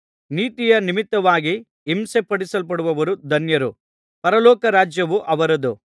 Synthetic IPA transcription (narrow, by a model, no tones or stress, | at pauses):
niːt̪ijɐnimit̪ːɐʋaːɡiː | msepɐɽisɐlp̬ɐɽuʋɐʋɐɾud̪ʱɐnjɐɾu | pɐɾɐlɔːkɐɾaːd͡ʒjɐʋuʔɐʋɐɾɐd̪u